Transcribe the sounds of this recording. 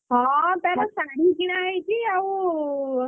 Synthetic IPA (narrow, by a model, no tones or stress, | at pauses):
ɦãt̪aɾasaɽiɡiɽ̃ajt͡ʃiau